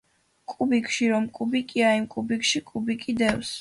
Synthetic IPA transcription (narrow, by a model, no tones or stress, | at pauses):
kʼubikʰʼʃiɾɔmkʼubikʼiaimkʼubikʼʃikʼubikʼid̪ɛws